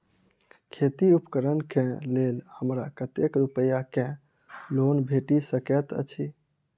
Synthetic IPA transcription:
kʰet̪iupkəɾənkẽlelhəmɾakət̪ekɾupəjakẽ | lonbʱeʈisəkɛt̪ə̰t͡ʃʰi

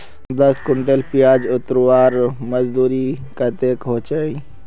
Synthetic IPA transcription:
d̪ɐskʊɳʈelpijaːd͡ʒʊt̪ɾwaːɾmɐzd̪uːɾi | kat̪eːkɦot͡ʃai

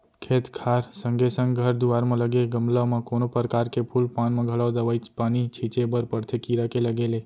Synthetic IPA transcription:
kʰet̪kʰaɾsəŋɡesəŋɡɡʱəɾd̪uʋaɾmãləɡelɡəmlaʋmãkonopəɾkaɾkepʰulpãnmãɡʱəɭaʋd̪əʋait͡ʃpanit͡ʃʰit͡ʃebəɾpəɾt̪ʰəkiɾəkeləɡele

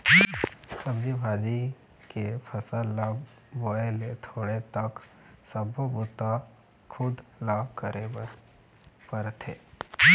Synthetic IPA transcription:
səbd͡ʒibʱaːd͡ʒi | kepʰəsəla | boelet̪ʰoːɽet̪ɐk | səbʱobʊt̪a | kʰʊd̪lakəɾʔe | pəɾt̪ʰeː

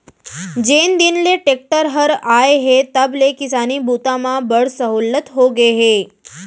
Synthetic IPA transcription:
d͡ʒend̪inleʈek̚ʈəɾɦəɾaeɦet̪əblekɪsanibut̪amãbəɽsəɦulət̪ɦoɡeɦe

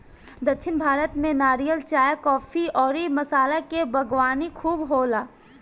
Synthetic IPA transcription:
d̪ɐkʃʰɪnbʱaːɾət̪mẽnaːɾijəlt͡ʃaːjkɔːfʰiɔːɾimɐsaːlekebʱɐɡwaːnikʰuːbɦoːlaː

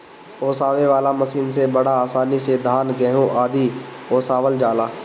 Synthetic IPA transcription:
oːsaːʋeʋaːlaməsiːnsebɐɽaaːsaːnised̪ʱaːnɡɛɦõʔaːd̪i | oːsaːʋəld͡ʒaːlaː

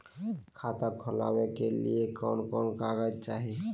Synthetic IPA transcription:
kʰat̪akʰola̰wekelḭekɔnkɔːnkaɡət͡ʃaːɦi

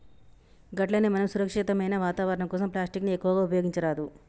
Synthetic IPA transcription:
ɡɐʈlɐnemɐnɐmsuɾɐkʂit̪ɐmɐjnɐʋaːt̪aːʋɐɾɐɳɐmkɔːsɐmplaːsʈikniekːuʋɐɡaːupɐjoɡiɲt͡ʃɐɾaːd̪u

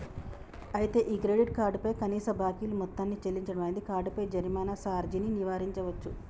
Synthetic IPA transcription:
ɐjit̪e̞ːʔiːkɾeɖiʈ̚kaːɾɖupɐjkɐniːsɐbʱaːkijlumɔt̪ːaːnːit͡ʃelːiɲt͡ʃɐɽɐmaːjind̪ikaːɾɖupɐjd͡ʒɐɾmaːnɐsaːɾd͡ʒininiʋaːɾiɲt͡ʃɐʋɐt͡ʃːu

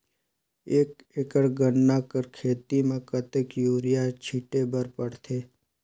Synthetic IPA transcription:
eːk | ekəɽɡənːakəɾkʰeːt̪imẽkət̪ekjuːɾɪjat͡ʃʰiʈebəɾpəɽt̪ʰeː

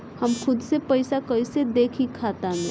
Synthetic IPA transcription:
həmxʊd̪sepəɪsakəised̪eːkʰikʰaːt̪aɦɛ̃

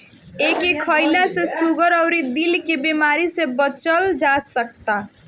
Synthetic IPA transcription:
ekekʰəɪlasesuɡəɾɔʊɾid̪ilkebemaɾisebət͡ʃəld͡ʒasək̚t̪a

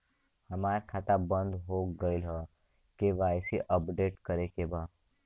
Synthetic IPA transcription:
hɐmaːɾkʰaːt̪abə̃nd̪ɦoːɡəilɦa | keʋaːjsiʔəpɖeːʈkəɾekebaːd̪

